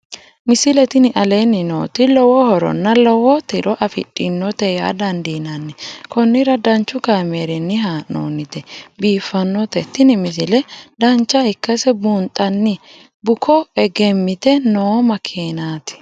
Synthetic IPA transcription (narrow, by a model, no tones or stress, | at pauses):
mɪsɪlɛt̪ɪnɪʔɐleːnːɪno̰ːt̪ɪlɔwɔhɔɾɔ̰nːɐlɔwɔt̪ɪɾʔɔʔɐfɪ̰ɗʼːɪnːɔt̪ɛja̰ːd̪ɐnd̪iːnɐnːɪkɔnːɪɾɐd̪ɐnt͡ʃːʊkaːmeːɾɛnːɪɦaːno̰ːnɪt̪ɛbiːfːɐnːɔt̪ɛt̪ːɪnɪmɪsɪlɛd̪ɐnt͡ʃːɐhɪkːɐsɛbuːnt̪ʼɐnːɪ | bʊkʰɔɛɡɛmːɪt̪ɛnoːmɐkʰeːnaːt̪ɪ̥